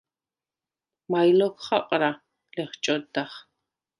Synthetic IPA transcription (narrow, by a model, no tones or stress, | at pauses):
majlɔkʷʰχa̰qʼɾa | lɛχt͡ʃʼɔd̪aχ